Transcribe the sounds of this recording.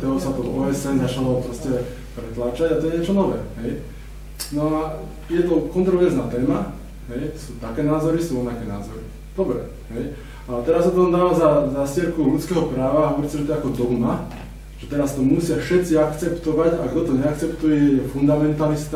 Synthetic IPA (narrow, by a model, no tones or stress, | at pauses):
t̪ɔɦɔsat̪ɔvɔːɛsɛnzat͡ʃalɔpɾɔscɛ | pɾɛt̪laːt͡ʃaɟat̪ɔjɛɲɪɛt͡ʃɔnɔʋɛ̰ːɦɛj | nɔa | jɛt̪ɔkɔnt̪ɾɔʋɛɾznaːt̪ɛːma | ɦɛjt̪ɔsuːt̪akɛːnaːzɔɾisuːɾɔʋnakɛːnaːzɔɾḭ | d̪̥ɔbɾɛ̰ | ɦɛj | at̪ɛɾassat̪ɔɔnd̪aːʋazazasɪɛɾkulut͡skɛːɦɔpɾaːʋaɔɾist͡sɛʒɛt̪ɔɛakɔd̪ɔna | ʒ̥ɛt̪ɛɾast̪ɔmusɪafʃɛt̪t͡siakt͡sɛpt̪ɔʋaɟaɡd̪ɔt̪ɔɲɛak̚t͡sɛpt̪ujɛjɛfund̪amɛnt̪alist̪